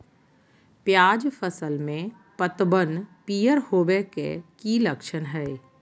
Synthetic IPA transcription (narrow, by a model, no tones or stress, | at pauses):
pjaːd͡ʒfʰəsəlmẽ | pət̪bənpiːjəɾhoːbekḛkiːləkʃənɦɛː